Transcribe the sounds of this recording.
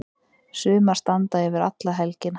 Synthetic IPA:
sʏːmḁst̪ant̪aɛvɪɾa̰t̪laɦɛlcɪn

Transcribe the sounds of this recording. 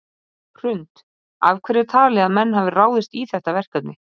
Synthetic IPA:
r̥ʏnt̪ | a̰vkʰvɛɾɪt̪ʰaːlɛɣamɛnːɦavɪraːwðɪst̪iθɛht̪avɛr̥kat̪nɪ

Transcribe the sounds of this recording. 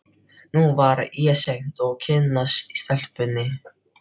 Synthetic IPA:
nuvaɾɛːsɛxt̪ɔɣcʰɪnːast̪st̪ɛl̥pʏnːɪ

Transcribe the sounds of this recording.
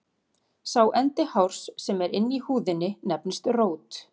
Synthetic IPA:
sawʔɛnt̪ɪhawɾ̥sːɛmɛɾɪnːihuːðɪnːɪnɛpnst̪roːwt̪

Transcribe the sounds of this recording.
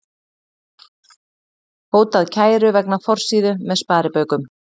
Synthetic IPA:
hoːwt̪aðcʰaːjɾʏvɛknafɔr̥siːðʏmɛðspaːɾɪpœːɥkʏm

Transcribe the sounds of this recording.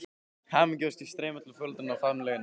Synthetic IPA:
hamɪcɔst̪ist̪ɾeːmat̪ʰɪlfœlt̪ɾɪnawfaɾmlɛɣɪn

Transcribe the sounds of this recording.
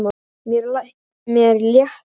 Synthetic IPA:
ma | mjɛɾlah | mjɛɾljɛht

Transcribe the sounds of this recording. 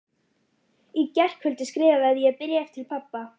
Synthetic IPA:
icɛr̥khʏlt̪ɪskɾɪːvaɛðjɛpɪɾjɛft̪ʰɪlpʰapːa

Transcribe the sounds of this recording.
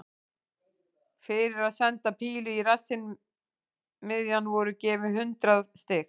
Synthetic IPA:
fɪɾɪɾaðsɛnt̪apʰiːlʏirasɪn | mɪðjanːvɔɾʏcɛːvɪɦʏnt̪ɾaðst̪ɪːx

